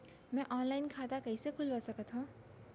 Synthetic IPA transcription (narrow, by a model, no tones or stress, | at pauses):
mɛ̃ʔɔːnlaːɪnkʰaːt̪akɐisekʰʊlbɐsɐkət̪ɦũ